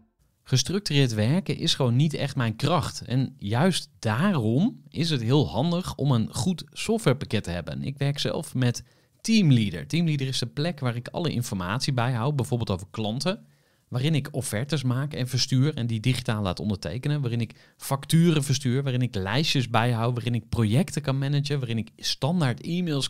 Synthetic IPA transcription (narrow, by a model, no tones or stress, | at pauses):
χəstrɵk̚tyrɪːɹtʋɛɹkəʔɪsχəʋownːitɛχtmɛjnkrɑχtɛ̰njœɥstd̥aːrɔmɪs̬ətɦɪːlˠɦɑndəχɔmənχutsɔftʋɛɹpakɛtəɦɛ̰bə̰nɪ̰kʋɛɹksɛ̰lˠfmɛt | timlidə̰ɹtimlidəɹɪsəplɛkʋaːɾɪkɑ̰ləʔɪ̰nfɔɹmaːtsibɛjɦawbɛjvʊːɹbɪlˠto̰wvəɹklɑntə | ʋaːɾɪnɪkofɛɹtəsmaːkɛnvəɹstyːɹɛndidiχitaːlˠlaːtɔ̰ndəɹtḛjkənənʋaːrɪnɪk | fɑktyːrəvəɹstyːɹʋaːrɪnɪklɛjʃəzbɛjɦawʋaːrɪnɪk̚projɛktəkɑnmɛnəd͡ʒənʋaːrɪnɪkstɑndaːɹtimɪlˠs